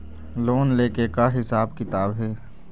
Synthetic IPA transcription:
loːnleːkekaɦɪsaːbkɪt̪aːbɦɛː

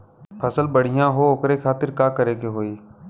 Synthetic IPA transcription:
pʰɐsəlbəɽ̤ɪjãɦoʊkɾekʰaːt̪ɪɾkaːkəɾeːkeɦoːiː

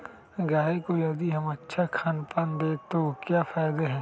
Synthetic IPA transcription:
ɡaːekojɐd̪iɦɐmɐtːʃʰakʰaːnpaːnd̪eːt̪okjafʰaːjd̪eɦɛ̃ː

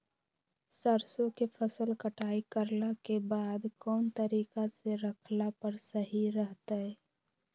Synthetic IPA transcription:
səɾsõkepʰəsəlkəʈʰaːikəɾlakebaːd̪kɔːnt̪əɾiːkaseɾəkʰlapəɾsəɦiɾəɦt̪aɛː

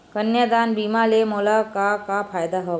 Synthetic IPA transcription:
kənjəd̪anbimalemulakakapʰajd̪aɦɔʋ

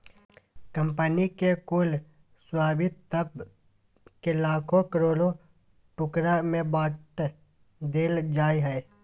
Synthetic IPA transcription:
kə̃mpənikekʊl | swaːbɪt̪t̪əb | kelaːkʰokəɾoːlo | ʈʊkɾamẽbaːʈ | d̪eːld͡ʒaːiɦɛː

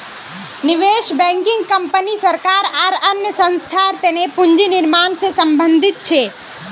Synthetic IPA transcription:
nɪʋeʃbɛ̃ŋkɪ̃ŋɡ̚kəmpənisəɾkaɾaɾənjəsə̃nst̪ʰaɾt̪enepʊɲd͡ʒinɪɾmaɳsesəmbənd̪ʱɪt̪̚t͡ʃʰe

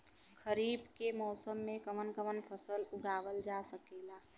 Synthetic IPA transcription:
kʰəɾiːbkemɔːsəmːẽkəmənkəmənpʰəsəlʊɡaːʋəld͡ʒasəkeːla

